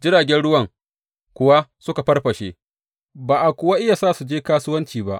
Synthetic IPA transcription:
d͡ʒɪ˦ɽaː˨ɡʲɛ˦nɽʊ˦wɐ˨ŋ | kʷʊ˦wa˦sʊ˦ka˨ɸɐ˦rɸɐ˨ʃḛ˦ | baː˨ʔa˨kʷʊ˨wa˦ʔɪ˦ja˨saː˦˨su˨d͡ʒeː˦kaː˦sʊ˦wɐ˦nt͡ʃiː˨ba̰˦ʔ

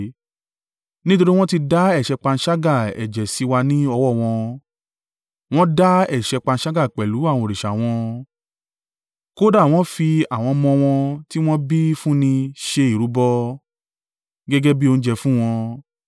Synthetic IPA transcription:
nĩ˦to˧ɾi˦w̃ɔ̃˦ti˧da˦ɛ˦˨ʃɛ˧k͡pa˧n̩˧˦ʃa˦ɡa˦˨ɛ̰˨d͡ʒɛ˨si˨˦wa˧nĩ˦ɔ˧wɔ˦˨w̃ɔ̃˧ | w̃ɔ̃˦da˦ɛ˦˨ʃɛ˧k͡pa˧n̩˦ʃa˦ɡa˦˨k͡pɛ˨lu˨˦a˦˨w̃ɔ̃˧˨ɾi˨ʃa˨w̃ɔ̃˧ | ko˦da˦˨w̃ɔ̃˦fi˧a˨w̃ɔ̃˧mɔ̃˧w̃ɔ̃˧ti˦w̃ɔ̃˦bi˦fũ˦nĩ˧ʃe˧i˨ɾu˨˦bɔ˦ | ɡɛ˦ɡɛ˦bi˦o˧n̩˦d͡ʒɛ˧fũ˦w̃ɔ̃˧

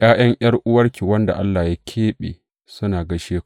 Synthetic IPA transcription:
jaː˦j̰ɐ˦ŋj̰ɐ˦rʔʊ˦wɐ˦rkʲi˨wɐ˦nda̰˨ʔa˦lːaː˨jaː˦kʲʰeː˦ɓḛː˨ | sʊ˦naː˨ɡɐ˦ʃeː˦˨

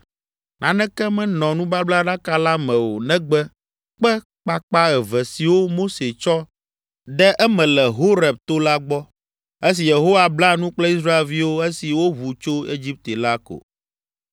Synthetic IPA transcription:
nã˨nɛ̃˦kɛ˦mɛ̃˦nɔ̃˨nũ˦ba˦bla˦ɖa˦ka˦la˦mɛ̃˨wo˨nɛ̃˦ɡ͡bɛ˦ | k͡pɛ˦ | k͡pa˦k͡pa˦ɛ˨vɛ˨si˨wo˦mo˦se˨t͡ʃɔ˦ | ɖɛ˦ʔɛ˦mɛ̃˨lɛ˨ɦo˦ɾɛ˨b̚t̪o˦la˦ɡ͡bɔ˦ | e˦s̬i˨je˨ɦo˦wa˨bla˦nũ˦k͡plɛ˦i˦s̬ɾa˦e˨lvi˦wo˦e˦si˨wo˦βu˨t͡ʃo˦e˦d͡ʑi˦p̚t̪e˨la˦ko̰˨

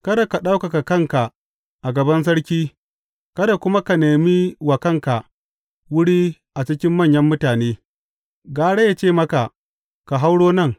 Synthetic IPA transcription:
kɐ˦da˨ka˨ɗa˦wka˨ka˨kɐ˦ŋka˨ʔ | ʔa˨ɡɐ˨bɐ˦ns̬ɐ˦ɽkʲiː˦ | kɐ˦da˨kʷʊ˦ma˦ka˨neː˨mi˦wa˨kɐ˦ŋka˨ʔ | wʊ˦ɽiː˦ | ʔa˨t͡ʃɪ˦kʲɪ˦mːɐ˦˨ɲjɐ˦mːʊ˦taː˨neː˦ | ɡaː˨ɽe˦ja˦t͡ʃeː˦˨mɐ˦ka˨ʔ | ka˨ɦa˦wɽoː˦nɐ˦˨ŋ

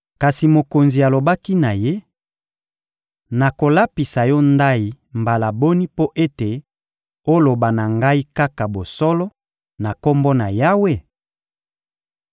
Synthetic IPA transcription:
ka˨si˨mo˨ko˨nzi˨a˨lo˨ba˦ki˦na˨je˦ | na˨ko˨la˦pi˨sa˨jɔ˦nda˦i˨ | mba˨la˨bo˦ni˦po˦ʔe˦te˨ | o˦lo˨ba˨na˨ŋɡa˦i˦ka˦ka˨bo˨sɔ˦lɔ˦ | na˨kɔ˦mbɔ˦na˨ja˦we˦˨

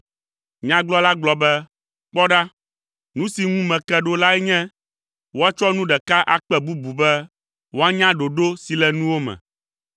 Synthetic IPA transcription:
ɲã˨ɡ͡blɔ˦la˦ɡ͡blɔ˨bɛ˦ | k͡pɔ˦ɖa˦ | nũ˦si˨ŋũ˦mɛ̃˨kɛ˦ɖo˦la˦ɛ˦ɲɛ̃˦ | wo˦a˦t͡ʃɔ˦nũ˦ɖɛ˨ka˦ʔa̰˦k͡pɛ˦bu˦bu˨bɛ˦ | wo˦a˦ɲã˦ɖo˨ɖo˦si˨lɛ˨nũ˦wo˦mɛ̰̃˨

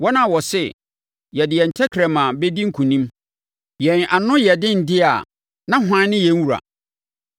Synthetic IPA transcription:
wɔ˦nã˦˨wɔ˨sɛ˦ | jɛ˨dɪ˨ɛ˨n̩˨tʰɛ˦kʰɾɛ˨mã˨bɛ˦di˦ŋ̩˦kʰũ˨nĩ˦m | jɛ̃˨na˨nʊ̃˦jɛ˨dɪ̃˦n̩˨dɪ˦a˨ | nã˦ɦʊ˦ã˦nɪ̃˦jɛ̃˨ŋ˦wu˨ɾa̰˨

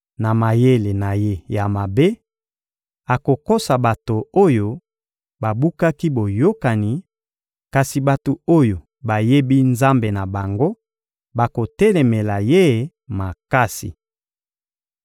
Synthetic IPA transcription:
na˨ma˨je˦le˨na˨je˦ja˨ma˨be˦ | a˨ko˨ko˦sa˨ba˨to˨o˦jo˨ | ba˨bu˦ka˦ki˦bo˨jo˦ka˨ni˨ | ka˨si˨ba˨to˨o˦jo˨ | ba˨je˦bi˦nza˦mbe˨na˨ba˨ŋɡo˦ | ba˨ko˨tɛ˦lɛ˨mɛ˨la˨je˦ | ma˨ka˦sḭ˨

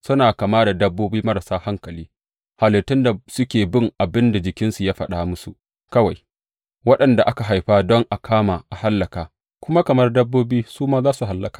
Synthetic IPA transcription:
sʊ˦naː˨kɐ˨maː˦da˨dɐ˦bːoː˦biː˦mɐ˦ɾa˨saː˦ha˦ŋkɐ˨liː˦ | ha˨lɪ˨tːɪ˦nda˨sʊ˦kʲeː˨bɪ˦ŋʔa˨bɪ˦nda˨d͡ʒɪ˨kʲɪ˦nsu˨jaː˦ɸɐ˨ɗaː˨mʊ˦su˨ʔ | kɐ˦wa˨j | wɐ˦ɗɐ˨nda˨ʔa˦ka˨ɦa˨jɸaː˦dɔ˦ŋʔa˨kʰaː˦ma˨ʔa˨ha˦lːɐ˨kaː˨ | kʷʊ˦ma˦kɐ˨mɐ˦rdɐ˦bːoː˦biː˦suː˦maː˦zaː˦su˨ɦa˨lːɐ˦kḁː˨

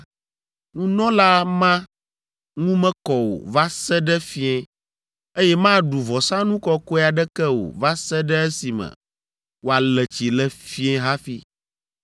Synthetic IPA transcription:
nũ˦nɔ̃˦la˦mã˦ | ŋũ˦mɛ̃˦kɔ˨wo̰˨va˦sɛ˦ɖɛ˦fi˦ɛ̃˦ | e˦jɛ˦mã˦ɖu˨vɔ˨sã˦nũ˦kɔ˦kɔ˦a˨ɖɛ˦kɛ˦wo̰˨va˦sɛ˦ɖɛ˦ɛ˦si˨mə̰̃˨ | wo˨a˨lɛ˨t͡ɕi˨lɛ˨fi˦ɛ̃˦ɦa˦fi˦

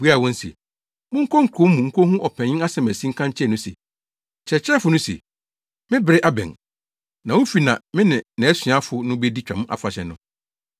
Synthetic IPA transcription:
bu˦a˦˨wɔ̃˦n̩˦sḛ˨ | mʊ̃˦ŋ̩˦kʰɔ˦ŋ̩˨kʰʊ˨˦m˦mũ˨ŋ̩˦kʰo˦hũ˦ʔɔ˨pʰɛ̃˨ɲɪ̃˦na˦sɛ˨mæ˨sĩ˦ŋ̩˦kʰã˦ɲ˦t͡ɕʰɛ˦˨nʊ̃˦sḛ˨ | t͡ɕʰɛ˨t͡ɕʰɛ˦fʊ˨nʊ̃˦sḛ˨ | mɪ̃˦bɪ˨ɾɪ˦ʔa˦bɛ̰̃˨n | nã˨wʊ̃˦fi˨nã˨mɪ̃˦nɪ̃˨nɛ̃˨˦ɛ˦sɪ̃˨a˦fʊ˨nʊ̃˦be˦di˦t͡ɕᶣã̰˨m˦ʔa̰˨fa˨ɕɛ̰˨nʊ̃˦

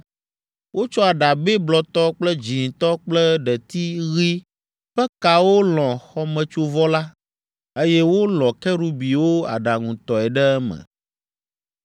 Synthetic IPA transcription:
wo˦t͡ʃɔ˦a˨ɖa˨bɛ˦blɔ˨t̪ɔ˦k͡plɛ˦d͡ʒi˨t̪ɔ˦k͡plɛ˦ɖɛ˨t̪i˦ɣi˦ | ɸɛ˦ka˨wo˦lɔ̃˨xɔ˦mɛ̃˨t͡ʃo˦vɔ˦la˦ | e˦jɛ˦wo˦lɔ̃˨kɛ˦ɖu˦bi˨wo˦a̰˨ɖa˨ŋũ˨t̪ɔ˨ɛ˨ɖɛ˦ɛ˦mɛ̰̃˨

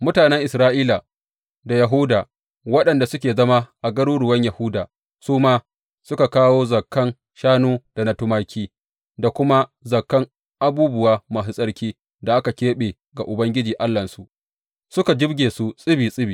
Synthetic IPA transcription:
mʊ˦taː˨nɛ˦ŋʔɪ˨sɾaː˦ʔiː˦la˨ | da˨jɐ˨ɦʊ˦daː˨ | wɐ˦ɗɐ˨nda˨sʊ˦kʲeː˨zɐ˦ma˦ʔa˨ɡɐ˦ɽuː˦ɾʊ˨wɐ˦ɲjɐ˨hʊ˦daː˨ | suː˦maː˦ | sʊ˦ka˨kaː˦woː˦zɐ˨kːɐ˦n | ʃaː˦nuː˦d̥a˨nɐ˦tʊ˦ma˦kʲʰiː˦ | da˨kʷʊ˦ma˦zɐ˨kːɐ˦ŋ | ʔa˦buː˦bʊ˦waː˦ma˨ɦɪ˦˨sʼɐ˦ɽkʲiː˦ | da˨ʔa˦ka˨kʲeː˦ɓeː˨ | ɡa˨ʔʊ˨bɐ˦ŋɡʲɪ˦d͡ʒiː˨ʔa˦lːɐ˨nsu˨ʔ | sʊ˦ka˨d͡ʒɪ˦bɡʲeː˨su˦sʼɪ˦biː˨sʼɪ˦biː˨

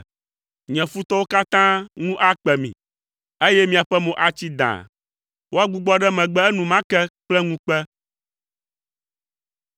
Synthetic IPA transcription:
ɲɛ̃˨fu˦t̪ɔ˦wo˦ka˦t̪ã˦ŋũ˦ʔa˦k͡pɛ˨mḭ̃˨ | e˦jɛ˦mĩ˨a˨ɸɛ˦mõ˨ʔa˨t͡ɕi˦d̪ã̰˨ | wo˦a˦ɡ͡bu˦ɡ͡bɔ˦ɖɛ˦mɛ̃˨ɡ͡bɛ˦ɛ˦nũ˨mã˦kɛ˦k͡plɛ˦ŋũ˦k͡pɛ˦

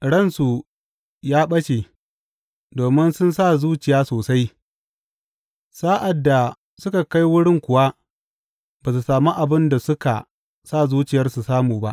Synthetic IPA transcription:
ɽɐ˦˨nsu˨ | jaː˦ɓɐ˦ʃe˨ | doː˨mɪ˦nsʊ˦nsa˦˨zuː˦t͡ʃɪ˨jaː˦soː˨sa˦j | saː˦ʔa˨dːa˨ | sʊ˦ka˨ka˦jwʊ˦ɽɪ˦ŋkʷʊ˨wa˦ | baː˨s̬u˨saː˨mu˦ʔa˨bɪ˦nda˨sʊ˦ka̰˨ | saː˦˨zuː˦t͡ʃɪ˨jɐ˦rsu˨saː˦muː˨ba̰˦ʔ

